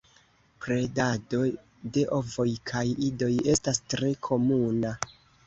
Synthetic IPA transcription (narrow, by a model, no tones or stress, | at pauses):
pɾe̞dado̞ | de̞ʔo̞vo̞jkʰajido̞je̞stastɾe̞kʰo̞muna